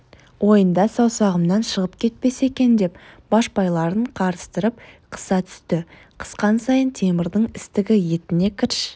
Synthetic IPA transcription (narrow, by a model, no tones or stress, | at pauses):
wo̞jənd̪ɑsɑwsɑʁəmnɑnʃəʁəpkʲʰe̞t̪̚pe̞se̞kʲe̞nd̪e̞pb̥ɑʃbɑjlˠɑɾəɴqʰɑɾəst̪əɾəp̚qʰə̥sɑt̪ʰʏ̥st̪ɪ | qʰə̥sqɑnsɑjənt̪ʰe̞mɪɾd̪əɴɪst̪ɪɡʲɪje̞t̪ɪne̞kʲʰɪɾʃ